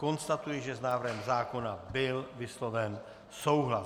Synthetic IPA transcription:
ko̞nst̪at̪ujɛʒɛznaːvrɦɛmzaːko̞nabɪlvɪslo̞vɛn | so̞wɦla

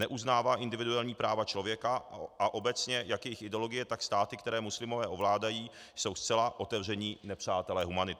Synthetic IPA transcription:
nɛʔuznaːvaːʔɪndɪvɪdualɲiːpɾaːvat͡ʃlo̞vjɛkaʔaʔo̞bɛt͡sɲɛjakjɛjɪxɪdɛolo̞ɡɪjɛt̪akst̪aːt̪ɪkt̪ɛɾɛːmuslɪmo̞vɛːʔo̞vlaːdajiː | so̞wst͡sɛlaʔo̞t̪ɛvr̝ɛɲiːnɛpr̝̥aːt̪ɛlɛːɦumanɪt̪

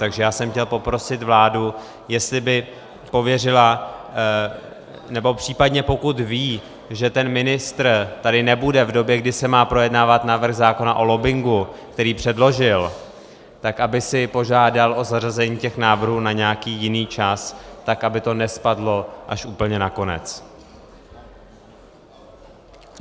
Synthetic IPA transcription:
t̪aɡʒɛjaːsɛmxcɛlpo̞pɾo̞sɪt̪vlaːdu | jɛst̪lɪbɪ | po̞vjɛrɪla | nɛbo̞pr̥iːpadɲɛpo̞kut̪viː | ʒɛt̪ɛnmɪnɪst̪rt̪adɪnɛbudɛvdo̞bjɛɡdɪsɛmaːpɾo̞jɛdnaːvat̪navr̩xzaːko̞naʔo̞lo̞bɪŋɡukt̪ɛɾiːpr̥ɛdlo̞ʒɪl | t̪akʔabɪsɪpo̞ʒaːdalʔo̞zarazɛɲiːcɛxnaːvr̩ɦuːnaɲɛakiːjɪniːt͡ʃast̪akʔabɪt̪o̞nɛspadlo̞ʔaʃʔuːpl̩ɲɛnako̞nɛ̰t͡s

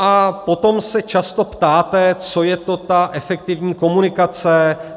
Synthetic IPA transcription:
ʔapo̞t̪o̞msɛt͡ʃast̪o̞pt̪aːt̪ɛt͡so̞jɛt̪o̞t̪aʔɛfɛk̚t̪ɪvɲiːko̞munɪkat͡sɛ

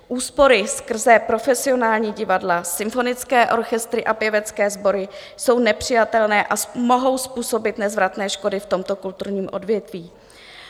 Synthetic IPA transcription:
ʔuːspo̞ɾɪskr̩zɛpɾo̞fɛsɪo̞naːlɲiːɟɪvadlasɪmfo̞nɪt͡skɛːʔo̞ɾxɛst̪ɾɪʔapjɛvɛt͡skɛːzbo̞ɾɪ | so̞wnɛpr̝̥ɪjat̪ɛlnɛːʔamo̞ɦo̞wspuːso̞bɪt̪nɛzvɾat̪nɛːʃko̞dɪft̪o̞mt̪o̞kult̪uɾɲiːmʔo̞̰dvjɛt̪viː

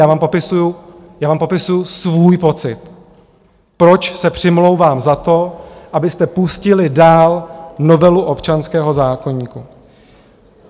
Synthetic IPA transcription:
aːvaːmpo̞pɪsujʊjaːvaːmpo̞pɪsujʊsvuːjpo̞t͡sɪt̪ | pɾo̞t͡ʃsɛpr̝̥ɪmlo̞wvaːmzat̪o̞ʔabɪst̪ɛpuscɪlɪdaːlno̞vɛluʔopt͡ʃanskɛːɦo̞zaːko̞ɲiːku

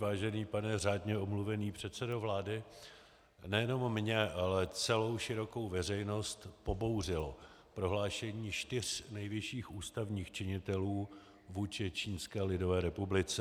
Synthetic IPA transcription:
vaːʒɛniːpanɛr̝aːdɲɛomluvɛniːpr̝̥ɛt̪sɛdovlaːdɪ | nɛjɛno̞mːɲɛʔalɛt͡sɛlo̞wʃɪɾo̞ko̞wvɛr̝ɛjno̞st̪po̞bo̞wrɪlo | pɾo̞ɦlaːʃɛɲiːʃt̪ɪr̝̥nɛjvɪʃiːxuːst̪avɲiːxt͡ʃɪɲɪt̪ɛluː | vuːt͡ʃɪt͡ʃiːnskɛːlɪdo̞vɛːɾɛpublɪt͡sɛ

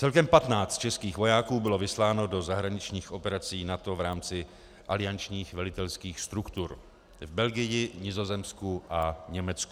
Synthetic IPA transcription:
t͡sɛlkɛmpat̪naːt͡st̪̚t͡ʃɛskiːxvo̞jaːkuːbɪlo̞vɪslaːno̞do̞zaɦɾaɲɪt͡ʃɲiːxʔo̞pɛɾat͡siːnat̪o̞vɾaːmt͡sɪ | ʔalɪjant͡ʃɲiːxvɛlɪt̪ɛlskiːxst̪ɾukt̪uɾ | vbɛlɡɪjɪɲɪzo̞zɛmskuʔaɲɛmɛt͡sku

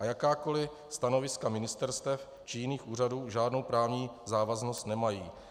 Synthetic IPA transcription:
ʔajakaːko̞lɪ | st̪ano̞vɪskamɪnɪst̪ɛɾst̪ɛf | t͡ʃɪjɪniːxʔuːr̝aduːʒaːdno̞wpɾaːvɲiːzaːvazno̞st̪nɛmajiː

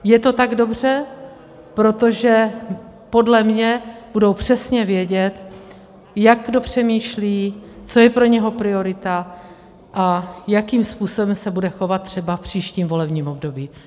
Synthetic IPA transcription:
jɛt̪o̞t̪aɡdo̞br̝ɛ | pɾo̞t̪o̞ʒɛ | po̞dlɛmɲɛb̥udowpr̝̥ɛsɲɛvjɛɟɛt̪ | jaɡɡdo̞pr̝̥ɛmiːʃliːt͡so̞jɛpɾo̞ɲɛɦo̞pɾɪo̞ɾɪt̪a | ʔajakiːmspuːso̞bɛmsɛbudɛxo̞vat̪t̪ːr̝̥ɛbafpr̝̥iːʃciːmvo̞lɛbɲiːmo̞bdo̞biː

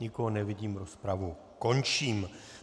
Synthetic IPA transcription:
ɲɪkoɦonɛvɪɟiːmɾospɾavu | ko̞nt͡ʃiːm

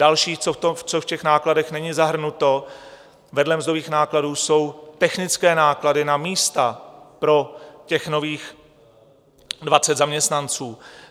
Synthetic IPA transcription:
dalʃiːt͡sot̪ot͡sofcɛxnaːkladɛxnɛɲɪzaɦr̩nut̪o̞ | vɛdlɛmzdoviːxnaːkladuːso̞wt̪ɛxnɪt͡skɛːnaːkladɪnamiːst̪apɾo̞cɛxno̞viːx | dvat͡sɛt̪zamɲɛst̪nant͡suː

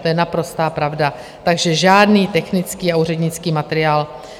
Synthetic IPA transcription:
t̪ojɛnapɾo̞st̪aːpɾavda | t̪aɡʒɛʒaːdniːt̪ɛxnɪt͡skiːauːrɛdɲɪt͡skiːmat̪ɛɾɪaːl

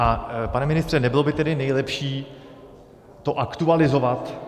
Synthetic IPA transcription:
ʔapanɛmɪnɪst̪r̥ɛnɛbɪlo̞bɪt̪ɛdɪnɛjlɛpʃiː | t̪o̞ʔakt̪ualɪzo̞vat̪

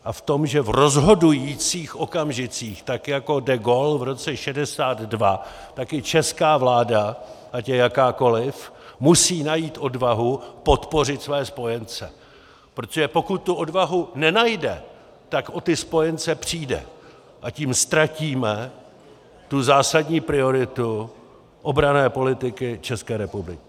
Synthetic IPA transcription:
ʔaft̪o̞mʒɛvro̞zɦo̞dujiːt͡siːxʔo̞kamʒɪt͡siːxt̪akjako̞dɛɡo̞lvɾo̞t͡sɛʃɛdɛsaːd̪dva | t̪akɪt͡ʃɛskaːvlaːdaʔacɛjakaːko̞lɪfmusiːnajiːt̪ʔo̞dvaɦupo̞t̪po̞r̝ɪt̪svɛːspo̞jɛnt͡sɛ | pɾot̪oʒɛpo̞kʊt̪̚ːuʔo̞dvaɦunɛnajdɛ | t̪akʔo̞t̪ɪspo̞jɛnt͡sɛpr̝̥iːdɛ̰ | ʔaciːmst̪ɾaciːmɛ | t̪uzaːsadɲiːpɾɪo̞ɾɪt̪u | ʔo̞bɾanɛːpo̞lɪt̪ɪkɪt͡ʃɛskɛːɾɛpublɪkɪ

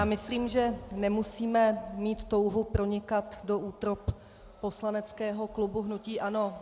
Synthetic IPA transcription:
jaːmɪsliːmʒɛnɛmusiːmɛmiːt̪ːo̞wɦupɾo̞ɲɪkat̪do̞ʔuːt̪ɾopː | o̞slanɛt͡skɛːɦo̞klubuɦnuciːʔano̞

